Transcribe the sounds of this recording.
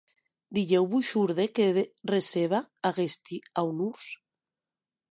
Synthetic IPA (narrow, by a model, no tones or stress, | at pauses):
d̪iʎewβuʃuɾðekeðereseβaːɣest̪iawnuɾs